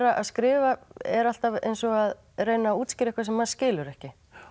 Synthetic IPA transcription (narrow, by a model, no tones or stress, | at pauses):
ɾaʔa̰ðskɾɪːvaɛɾal̥t̪avḛjnsɔað | rejnauːt̪scɪɾɛhkvaɾsɛmːaðscɪːlʏɾɛhcɪ